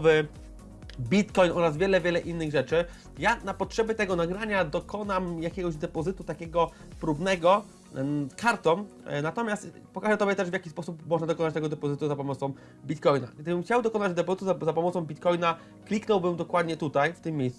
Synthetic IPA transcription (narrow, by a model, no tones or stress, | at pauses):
vɘ | bʲit̪kɔjnʔɔɾazvʲjɛlɛvʲjɛlɛʔinːɘɣʐɛt͡ʂɘ | janapɔtʂɛbʲjɛt̪ɛɡɔnaɡɾaɲad̪ɔkʰɔnamjakʲɛɡɔʑd̪ɛpɔzɘt̪ut̪akʲɛɡɔ | pɾubnɛɡɔ | kʰaɾt̪ɔm | nat̪ɔmʲjast̪ | pɔkaʐɛt̪ɔbʲjɛt̪ɛʐvjakʲispɔsupmɔʐnad̪ɔkɔnat͡ɕt̪ɛɡɔd̪ɛpɔzɘt̪uzapɔmɔt̪sɔ̃w̃ | bʲit̪kɔjna̰kʲd̪ɘbɘmxt͡ɕawd̪ɔkɔnad͡ʑd̪ɛpɔzɘt̪uzazapɔmɔt̪sɔ̃w̃bʲit̪kɔjna | klʲiknɔwbɘmd̪ɔkwad̪ɲɛt̪ut̪ajft̪ɘmʲːjejsu